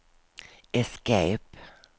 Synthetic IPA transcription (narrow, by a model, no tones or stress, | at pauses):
ɛskeɪp